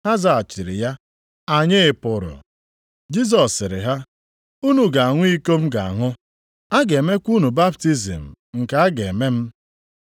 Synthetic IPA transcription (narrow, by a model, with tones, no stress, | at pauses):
a˦za˨a˨t͡ʃɪ˨ɾɪ̰˨ja˦ | a˨ɲɪ˦ɪ˨pʊ˨ɾʊ̰˨ | d͡ʒi˦z̬ɔ˨sːɪ˨ɾɪ̰˨ɦa˦ | u˦nu˨ɡa˨a˨ŋʷʊ˦i˦ko˦m̩˦ɡa˨a˨ŋʊ˦ | a˦ɡe˨me˦kʷu˦nu˨ba˦pti˦zḭ˨m̩˨ | ŋ̩˨ka˨˦a˦ɡe˨me˦m̩˦